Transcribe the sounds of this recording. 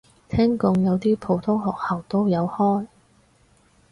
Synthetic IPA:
t̪ʰɛː˥ŋkʊ˧ŋjɐ˨˧wt̪iː˥pʰo˨˧wt̪ʰʊ˥ŋɦɔː˨k̚hɐ˨˩wt̪o˥wjɐ˨˧whɔː˥j

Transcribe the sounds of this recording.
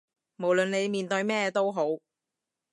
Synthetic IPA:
mo˨˩wlɵ˨ne˨˧jmiː˨nt̪ɵ˧ɥmɛː˥t̪o˥wɦo˨˥w

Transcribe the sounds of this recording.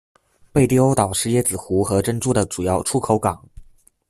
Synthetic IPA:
pe˥˧ɪt̪ji˥o˥ʊt̪ɑ˨˩ʊʂɻ̩˥˧jɛ˥˩t͡sɹ̩˨˩xu˧˥xɤ˧˥ʈ͡ʂə˥nʈ͡ʂu˥˩d̪ə˩ʈ͡ʂu˨˩jɑ˥˩ʊʈ͡ʂʰu˥kʰo˧˥ʊkɑ˨˩˦ŋ

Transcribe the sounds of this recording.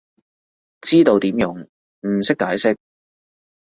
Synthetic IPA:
t͡siː˥t̪o˨˧wt̪iː˨˥mjʊ˨˥ŋ | m̩˨˩sɪ˥kːaː˨˥jsɪ˥k̚

